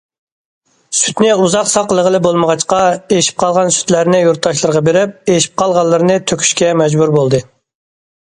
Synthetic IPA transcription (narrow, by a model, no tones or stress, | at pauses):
sy̥t̪nɪuzɑqsɑqəlˠəʁəlˠɨbolˠməʁɑt͡ʃqɑeʃi̥p̚qʰɑlˠʁɑnsy̥t̪læɾnɪjuɾt̪ʰːɑʃlˠɨɾəʁɑbeɾɪp̚eʃi̥p̚qʰɑlˠʁɑnlˠːɨɾɨnɨt̪ʰøkʲʰy̥ʃkʲɛmɛd͡ʒbuɾbolˠd̪ɨ